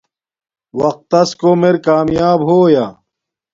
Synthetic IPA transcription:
wɐq̚t̪ːɐskomeɾkaːmjaːbɦoːjaː

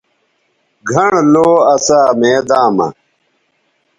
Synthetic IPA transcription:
ɡʱɐɳloːɐsaːmeːd̪aːmɐ̰

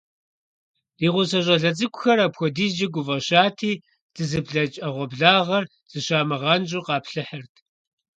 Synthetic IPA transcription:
riːʁʷʊsɐʑʼɐɮɐt͡sʼɨkʷʼʊxɐrapxʷɔdiːzd͡ʒɪɡʷʊvɐɕaːtʰiː | d̥ɨzɨbɮɐt͡ʃʼɐʁʷɔbɮaːʁɐr | z̥ɨɕaːmɐʁɑnʒʼuqɑːpɬɨħɐrtʰ

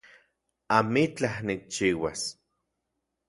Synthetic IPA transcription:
amit͡ɬahnik̚t͡ʃiːwa̰s

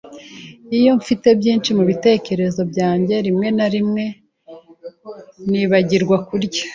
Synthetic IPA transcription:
ijo̞ɱfite̞bjiːnt͡ʃimuβite̞ːce̞ɾe̞zo̞bjaːɲɟe̞ɾimŋe̞naɾimŋe̞ | niːβaɟiɾɡwakuɾɟa

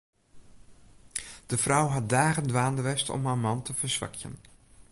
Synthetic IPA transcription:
d̥əfrawɦɑt̚daːɣəndʋaːndəʋɛstɔ̰mɦaːɹmɑntʰəvəɹsʋɑ̰kʰjə̰n

